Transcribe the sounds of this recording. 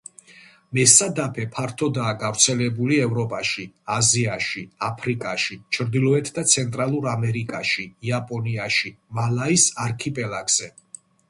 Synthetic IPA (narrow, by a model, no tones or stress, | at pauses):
mɛsad̪apʰɛpʰaɾt̪ʰɔd̪aːɡavɾt̪sʰɛlɛbuliɛvɾɔpʼaʃiaziaʃiapʰɾikʼaʃit͡ʃʰɾd̪ilˠɔɛt̪ʰd̪at̪sʰɛnt̪ʼɾalˠuɾamɛɾikʼaʃiːapʼɔniaʃimalaisaɾkʰipʼɛlˠaɡz̥ɛ